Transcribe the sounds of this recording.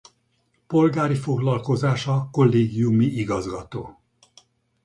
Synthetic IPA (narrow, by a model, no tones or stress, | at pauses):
po̞lɡaːɾifo̞ɡlɒlko̞zaːʃɒko̞lːeːɡijumiʔiɡɒzɡɒt̪o̰ː